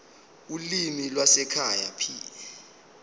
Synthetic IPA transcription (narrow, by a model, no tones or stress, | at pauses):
ulimilwasɛkʰaja̰pʰiːlɛ